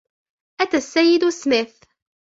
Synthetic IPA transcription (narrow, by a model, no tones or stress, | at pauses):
ʔæt̪æsːæjːɪd̪usmɪθ